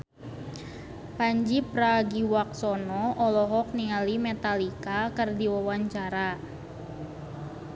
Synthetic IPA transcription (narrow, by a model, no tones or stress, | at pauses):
paɲd͡ʒipɾaɡiwak̚sɔnɔɔlɔɦɔk̚nialimɛt̪alikakɨrdiwawaɲt͡ʃaɾa